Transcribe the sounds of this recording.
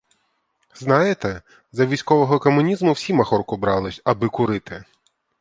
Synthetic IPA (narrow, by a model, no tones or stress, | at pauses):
znɑjet̪ɛ | zɐʋʲijsʲkɔʋɔɦɔkɔmʊnʲizmʊwsʲimɐxɔrkʊbɾɑlˠɪsʲɐbɪkʊɾɪt̪ɪ